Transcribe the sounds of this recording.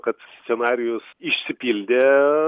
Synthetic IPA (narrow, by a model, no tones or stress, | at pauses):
kɐt̪sʲt̪sʲɛnɑːɾʲɪjʊsɪʃʲsʲɪpʲiːlʲd̪ʲe